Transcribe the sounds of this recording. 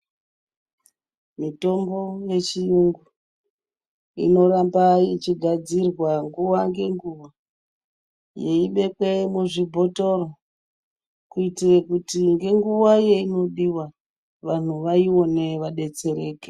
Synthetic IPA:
mito̞mbo̞je̞t͡ʃijuŋɡu | ḭno̞ɾambait͡ʃiɡʱad͡zirwaŋɡuwaŋɡe̞ŋɡuʋa | je̞iɓe̞kwemuʐibʱo̞to̞ro | kuitirekutiŋɡe̞ŋɡuwaje̞ino̞ɗiwa | ʋan̤uʋaio̞ne̞ʋaɗe̞t͡se̞ɾe̞ːke

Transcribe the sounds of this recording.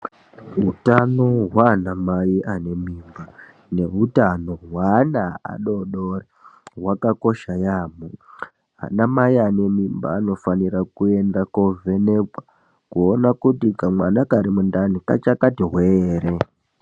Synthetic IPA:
ɦutano̞ɦwanamaiʔane̞miːmba | ne̞ɦutano̞ɦwanaa̰ɗo̞ɗoreɦwakako̞ʃajamu | a̰namaiane̞mimba̰ːno̞faniɾakue̞ndakovʱe̞nekwa | kuonakutikamwanakaɾimundanika̰t͡ʃakatiɦweːɾe̞

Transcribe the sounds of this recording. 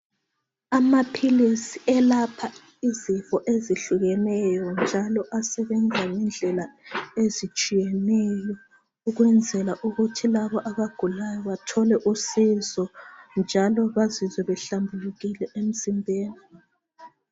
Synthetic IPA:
amapʰilisiʔɛlapʰa | izifɔʔeziɬuɣɛnɛjɔnd͡ʒʱalɔʔasɛβɛnd͡zʱaŋɛnd͡ɮʱɛlaezit͡ʃʼijɛnɛjɔ | uɣwɛnd͡zʱɛlaʔuɣutʰilaβɔʔaβaɡ̥ʱulajɔβatʰɔlɛʔusizɔnd͡ʒʱalɔβazizɛβɛɬambʱuluɣilɛʔem̩simbʱeːni

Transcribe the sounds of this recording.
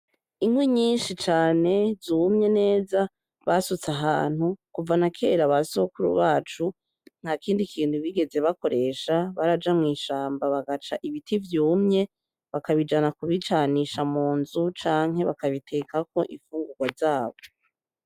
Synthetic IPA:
imwiɲiːnʃit͡ʃaːne̞zuːmɲe̞ne̞ːza | βasut͡saɦa̰ːn̥hukuvanakʰe̞ɾaβasokuɾṵβaːt͡ʃu | n̥hakiːndikʰiːntuβiɡe̞ze̞βako̞ɾe̞ːʃaβaɾad͡ʒamŋiːʃaːmbaβaɡat͡ʃa̰ʔiβitʰivjuːmɲe̞ | βakaβid͡ʒanakuβit͡ʃaniʃamuːnzut͡ʃaːŋ̥ɦe̞βakaβitʰe̞kʰako̞ʔifuːŋɡuɡ̥wazaːβo̞

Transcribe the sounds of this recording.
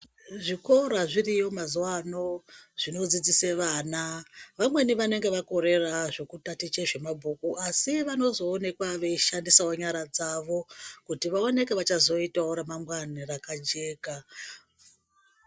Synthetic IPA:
ʐiko̞ɾaʐirijo̞mazuwano̞ʐ̥ino̞d͡zid͡ziseʋaːnaʋamwe̞niʋane̞ŋɡe̞ʋako̞ɾe̞raʐe̞kutatit͡ʃe̞ʐe̞mabʱukuʔasiʋano̞zo̞ːne̞kwaʋe̞ʃandisaoɲaɾad͡zaʋo̞kutiʋaone̞keʋat͡ʃazo̞itaoɾemamwanirakad͡ʒe̞ːka

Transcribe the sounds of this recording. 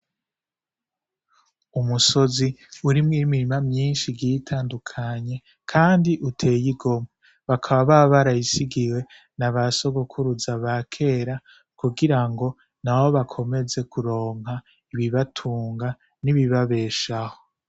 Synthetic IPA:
umuso̞ziuɾimŋiːimiɾimamɲiːnʃiɡɟiitʰaːndukʰaɲe̞ | kʰaːndiʔutʰe̞ːjiɡo̞mwe | βakʰaβaβaβaɾajisiɡiwe̞ | naβaso̞ɡokʰuɾuzaβakʰe̞ːɾa | kuɡiɾaŋɡo̞ | nawo̞βakʰo̞me̞ze̞kʰuɾo̞ːŋɦa | iβiβatʰuːŋɡa | niβiβaβe̞ːʃaho

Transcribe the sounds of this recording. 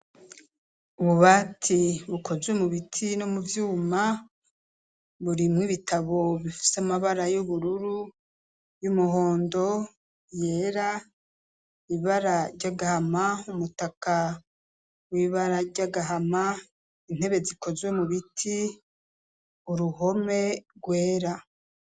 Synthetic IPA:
uβuβaːtʰiβuko̞zwemuβitʰinomuvjuːma | βuɾimŋiβitʰaβo̞βifi̥seamaβaɾajuβuɾuɾu | jumuɦo̞ːndo̞ | je̞ːɾa | iβaɾaɾɟaɡahamaumutaka | wiβaɾaɾɟaɡaɦama | in̥he̞βe̞ziko̞zwemuβitʰi | uɾuɦo̞me̞ɡwe̞ːɾa

